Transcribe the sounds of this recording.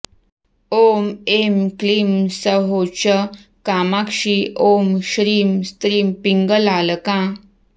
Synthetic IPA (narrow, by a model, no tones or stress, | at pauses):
omemklimsəɦot͡ɕəkamakʂiʔomɕɾiːmst̪ɾiːmpiŋɡəlaləkã